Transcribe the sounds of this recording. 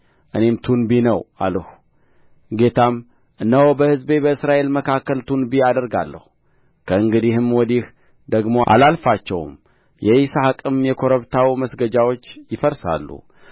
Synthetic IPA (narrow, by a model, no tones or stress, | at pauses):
ʔɨne̞mt̪ʰunbinəwʔa̰lhu | ɡe̞t̪ʰam | ʔɨnːəwobəhɨzbe̞bəɨsɾaʔe̞lməkʰakːəlt̪ʰunbiad̪əɾɡa̰lːə̰hu | kʰəɨŋɡɨd̪ihɨmwɔd̪ih | d̪əɡmo̞ʔa̰lalfat͡ʃːɛw̰m | jɛisahakʼɨmjɛkʰo̞ɾəβt̪ʰawiməsɡəd͡ʒawo̞t͡ʃːjɪfəɾsa̰lːṵ